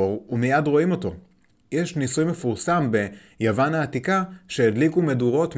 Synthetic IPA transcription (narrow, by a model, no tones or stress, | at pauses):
oʁumijadʁo̞imo̞to̞̰ | jeʃnisujmefuʁsambe̞ | javanaːtikaʃe̞ːdlikume̞duʁo̞t